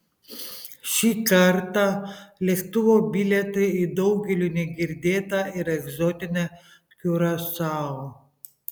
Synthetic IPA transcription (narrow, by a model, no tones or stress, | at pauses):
ʃʲiːkɐɾt̪ɑlʲɛkt̪ʊʋobʲilʲɛt̪ɐɪd̪ɔʊɡʲɛlʲunʲɛɡʲɪɾʲd̪ʲeːt̪ɑɪɾɛɡzɔːt̪ʲɪnʲɛ | kʲuɾɐsɑːo